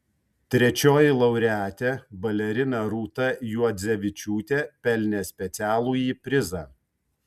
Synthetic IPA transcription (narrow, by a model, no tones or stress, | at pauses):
t̪ʲɾʲɛt͡ʃʲoːjɪlˠɐʊɾʲæːt̪ʲeːbɐlʲɛɾʲɪnɐɾuːt̪ɐjuɔd̪zʲɛʋʲɪt͡ʃʲuːt̪ʲeːpʲɛlʲnʲeːsʲpʲɛt̪sʲæːlˠuːjiːpʲɾʲɪzɑː